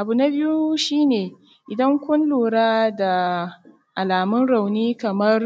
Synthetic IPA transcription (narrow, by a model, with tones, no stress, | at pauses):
ʔa˨bu˨na˦bɪ˦ju˦ʃiː˦neː˨ | ʔɪ˨dɐ˦ŋkʷʊ˦nluː˨ɽaː˦da˨ | ʔa˨laː˨mʊ˦nɽa˨wniː˦kɐ˨mɐ˦r